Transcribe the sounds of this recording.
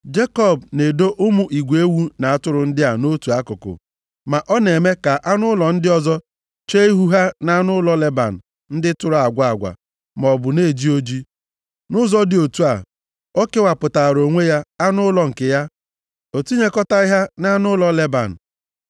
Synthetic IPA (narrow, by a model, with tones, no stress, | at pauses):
d͡ʒe˦kɔ˦˨b̚ne˨do˦ʔʊ˦mʊ˨ʔi˨ɡʷe˦wu˦na˨a˨tʊ˦ɾʊ˨n̩˦dɪ˦a˨no˦tu˨a˦kʊ˨kʊ̰˨ | ma˨ʔɔ˦ne˨me˦ka˨ʔa˦nʊ˦lɔ˨n̩˦dɪ˦ɔ˦zɔ˦ | t͡ʃe˦i˦ɦu˦ɦa˦na˦nʊ˦lɔ˦le˦ba̰˨n̩˨ | n̩˦dɪ˦tʊ˦ɾʊ˨˦a˨ɡʷa˦a˨ɡʷa̰˨ | m˨ɔ˨bʊ˨ne˦˨d͡ʒi˦o˦d͡ʒi˦ | nʊ˦zɔ˦dɪ˨o˨tu˦a˨ | o˦ke˦wa˨pʊ˨ta˨ɾo˨ŋʷe˦ja˦a˦nʊ˦lɔ˨ŋ̩˨kɪ˨ja˦ | o˨tu˦ɲe˦kɔ˦ta˦ɪ˦ɦa˦na˦nʊ˦lɔ˦le˦ba̰˨n̩˨